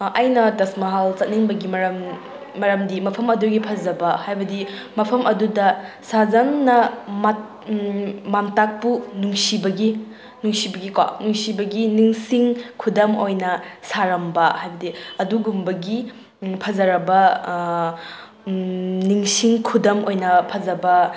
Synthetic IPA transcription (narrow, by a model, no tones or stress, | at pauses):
ʔɐjnɐtɐsmɐɦalt͡ʃɐt̚niŋbɐɡimɐɾɐmː | ɐɾɐmdimɐpʰɐmɐduɡipʰɐzɐbɐhajbɐdimɐpʰɐmʔɐdudɐ | sazɐŋnɐmat̚ | mamtak̚punuŋsibɐɡi | nuŋsibɐɡikwa̰nuŋsibɐɡiniŋsiŋkʰudɐmojnɐsaɾɐmbɐhajbɐdiɐduɡumbɐɡi | pʰɐzɐɾɐbɐ | niŋsiŋkʰudɐmojnɐpʰɐzɐbɐ